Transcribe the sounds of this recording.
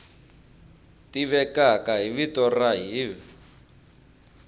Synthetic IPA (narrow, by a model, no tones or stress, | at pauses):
tiβɛkakaɦiβitɔraɦiːvi